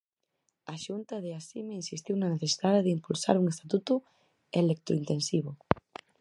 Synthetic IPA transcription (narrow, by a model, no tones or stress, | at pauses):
aʃunt̪ɐðeasimeinsist̪iwnɐneθesiðaðeðɪimpulsa̰ɾuŋest̪at̪ut̪ʊ | elek̚t̪o̰int̪ensiβ̞ʊ